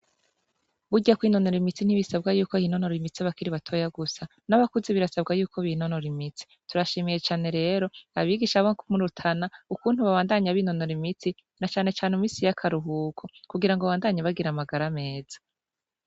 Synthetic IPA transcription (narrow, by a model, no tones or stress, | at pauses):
βuɟakwiːno̞noɾimit͡sin̥iβisabɡajuːko̞hiːno̞no̞ɾimit͡siaβakiɾiβatʰo̞ːjaɡusa | naβakuziβiɾasabɡajuːkʰoβino̞noɾimit͡si̥ | tuɾaʃimije̞t͡ʃaːne̞ɾe̞ːɾo̞aβiɡiʃaβoŋkʰumuɾutʰanaukuːn̥huβaβaːndaɲaβiːnonoɾimit͡si | nat͡ʃaːne̞t͡ʃaːnemiːsijakʰaɾuɦuːkʰokuɡiɾaŋɡo̞aβaːndaɲaβaɡiɾamaɡaɾame̞ːz̥ḁ